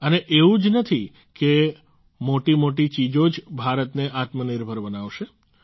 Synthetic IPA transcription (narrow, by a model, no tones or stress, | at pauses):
əneʔeʋũd͡ʒnət̪ʰi | ke | moʈimoʈit͡ʃid͡ʒod͡ʒbʱaɾət̪neʔat̪məniɾbʱəɾbənaʋʃe